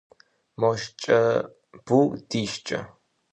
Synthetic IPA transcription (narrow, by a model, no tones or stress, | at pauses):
mɔʃt͡ʃʼɐ | b̥uːd̪̥iːʃt͡ʃʼɐ̰